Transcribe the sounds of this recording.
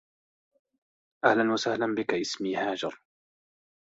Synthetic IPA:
ʔahlanwasahlanbɪkaʔɪsmiːhaːd͡ʒɑɾˤ

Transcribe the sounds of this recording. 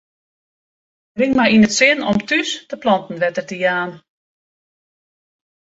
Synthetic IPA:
rɪŋmajinətsɪnɔmtystəplɔntn̩ʋɛtərtəjaːn

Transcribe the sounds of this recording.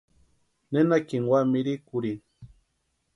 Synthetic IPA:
nenakiŋwamiɾikʊɾi

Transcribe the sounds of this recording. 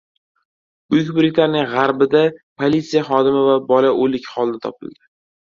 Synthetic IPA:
ʊjɪkʲbɪɾɪk̚ʲtlaɾnɪŋʁaɾbɪd̪apʰolʲit̪sijaχɒd̪ɪmɪvabɒlaʔolɪkʲχɒlˠd̪at̪ʰɒpɪ̰ld̪ɪ

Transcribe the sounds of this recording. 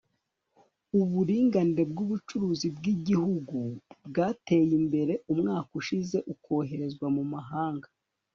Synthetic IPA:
uβuɾiːŋɡaniɾe̞b̚ɡuβut͡ʃuɾuːzibɡiɟihuɡubɡaːte̞ːjimbe̞ɾe̞ʔumŋaːkuʃize̞ʔukʰo̞ːɦe̞ɾe̞zɡwamumaɦaːŋɡa

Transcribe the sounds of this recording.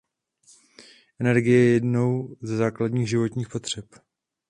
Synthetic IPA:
ʔɛnɛɾɡɪjɛjɛjɛdno̞wzɛzaːkladɲiːɣʒɪvo̞t̪ɲiːxpo̞t̪r̝̥ɛp

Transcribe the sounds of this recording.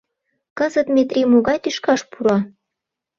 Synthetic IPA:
kɤzə̆t̪mʲet̪rʲimoɣɑjt̪yʃkɑʃpuɾɑ

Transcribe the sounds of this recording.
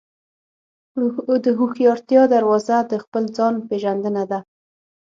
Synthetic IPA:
d̪əɦuxjɑɾt̪jɑd̪aɾwɑzad̪əxpəld͡zɑnpeʒand̪ənad̪a

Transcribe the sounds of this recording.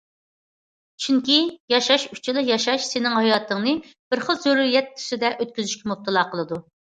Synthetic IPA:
t͡ʃʰyŋkʲijɑʃɑʃyt͡ʃʰilˠɨjɑʃɑʃsɪnɪŋhɑjɑːt̪ʰɨŋnɨb̥ɪɾχəlˠzøɾuɾijɛt̪ʰːy̥sɪd̪ɛʔøt̪̚kʲyzyʃkʲɛmup̚t̪ʰɨlˠɑqʰəlˠɨd̪u

